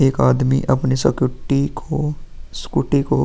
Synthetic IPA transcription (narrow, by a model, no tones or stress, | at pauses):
eːkaːd̪mḭʔɐpnesɐkːʈikoskuʈiko